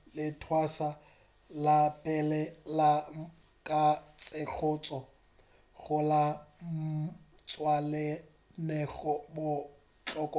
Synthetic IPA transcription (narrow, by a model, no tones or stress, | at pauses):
lɪtʰwasa | lapʼɛlɛla | kʼat͡sʼek͡xʰʊːt͡sʼɔ | ɣʊla | t͡sʼwalɛ | nɛɣɔbʊ | t͡ɬʼɔkʼɔ